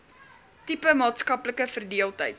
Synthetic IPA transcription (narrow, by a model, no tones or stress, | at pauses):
tipəmɑːtskɐpləkəfərdiəlˠtəjt